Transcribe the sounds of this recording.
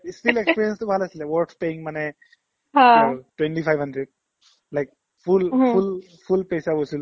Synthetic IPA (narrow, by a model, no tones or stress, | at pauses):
stilekspiɹijɛnstʊbʱalasilɛwɔɹkspeiŋmanɛ | ɦãtwɛntipʰajbʱɦandɹɛd̚ | lajk̚ | pʰulpul | pʰulpejsabojsil